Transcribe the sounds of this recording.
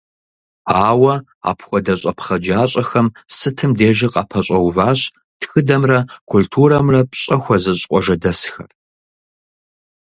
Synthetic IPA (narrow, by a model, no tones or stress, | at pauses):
aːwɐ | a̰ːpʰxʷɔdɐɕʼɐpχɐd͡ʒaːɕʼɐxɐmsɨtʰɨmdeːʒɪqʼɑpʰɐɕʼɐwvaːɕʼ | txɨdɐmrɐkʷʰʊltʰuːɾɐmrɐpɕʼɐxʷɔzɨɕʼqʷʼɔʒɐdɐsxɐ̰r